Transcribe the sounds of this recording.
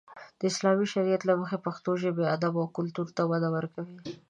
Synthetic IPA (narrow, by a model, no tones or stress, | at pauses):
d̪̥əɪslɑmiʃaɾijat̪laməxepaxt̪oʒəbead̪abawkʊlt̪uɾt̪awad̪awəɾkawi